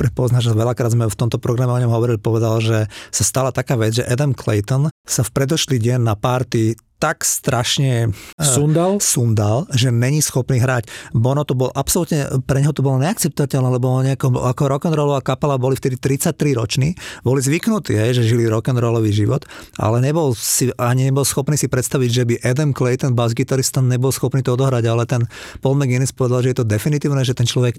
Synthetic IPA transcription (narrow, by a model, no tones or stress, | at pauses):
pɾɛpɔznaʒʋɛʎakɾaːd̪zmɛft̪ɔmt̪ɔpɾɔɡɾamɛɔɲɔmɦɔʋɔɾilipɔʋɛd̪alʒɛsast̪alat̪akaːʋɛd͡zʒɛʔɛd̪ɛmkʰlɛ̰jt̪ɔnsafpɾɛd̪ɔʃliːɟɛnːapaɾt̪i | t̪akst̪ɾʔaʃɲɛund̪alsund̪alʒɛɲɛɲisxɔpniːɦɾaːcbɔnɔt̪ɔbɔlʔapsɔlut̪ɲɛpɾɛɲɦɔt̪ɔbɔlɔɲɛak̚t͡sɛp̚t̪ɔʋacɛlnɛlɛbɔɲɛakɔakɔɾɔkɛnɾɔlɔʋaːkapɛlabɔlift̪ɛd̪it̪ɾit͡sac̚t̪ːɾiɾɔ̰t͡ʃniːbɔlizʋiknut̪ḭːɦɛjʒɛʒiliɾɔkɛnɾɔlɔʋiʒiʋɔt̪a̰lɛɲɛbɔlsiaɲiɲɛbɔlsxɔpniːsipɾɛt̪st̪aʋiɟʒɛbiʔɛd̪ɛnklɛjt̪ɛnbazɡit̪aɾist̪anɲɛbɔlsxɔpniːt̪ɔɔd̪ɔɦɾaɟalɛt̪ɛnpɔlmɛɡinispɔʋɛd̪alʒɛjɛt̪ɔd̪ɛfinit̪iːʊnɛʒɛt̪ɛnt͡ʃlɔʋɛk